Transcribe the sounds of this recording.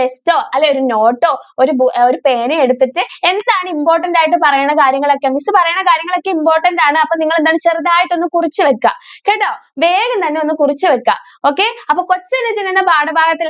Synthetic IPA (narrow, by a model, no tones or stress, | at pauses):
esto̞ːɐlːeo̞ɾuno̞ːʈːo̞ːoɾubuoɾupe̞ːnɨeɽut̪ːiʈːɨe̞nd̪aːɳɨimpo̞ːrʈːɐndaːjiʈ̬ːɨpɐrɐjaːɳɐkaːɾjɐŋːɐɭo̞kːemisɨpɐrɐjaːɳɐkaːɾjɐŋːɐɭo̞kːeimpo̞ːrʈːɐndaːɳɨɐpːoniŋːɐɭe̞nd̪aːɳɨt͡ɕeriðaːjiʈːo̞nːɨkurit͡ɕːɨʋɐkːɐ̰keʈːoːʋe̞ːɡɐmt̪ɐnːe̞o̞nːɨkurit͡ɕːɨʋɐkːa̰ | oːkːe̞ɐpːoːko̞t͡ɕːɐɐnːɐt͡ɕinːɐnːɐbʱaːɽɐbʱaːɡɐt̪ːil